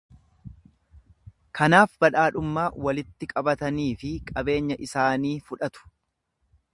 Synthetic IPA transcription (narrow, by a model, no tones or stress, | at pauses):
kʰɐnaːfbɐᶑaːᶑʊmːaːwɐlɪt̪ːɪkʼɐbɐt̪ɐniːfɪkʼɐbe̞ːɲːɐʔɪsaːniːfʊᶑɐt̪ʊ̥